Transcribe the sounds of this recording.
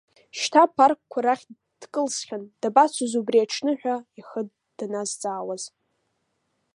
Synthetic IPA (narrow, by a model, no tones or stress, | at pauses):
ʃtʰapʰarkkʷʰaɾaχʲ | d̥kʼɨlsχʲand̥abat͡sʷʰuzubriaʈ͡ʂʰnɨħᶣʷaiχəd | d̥anazt͡sʼaːwaz̥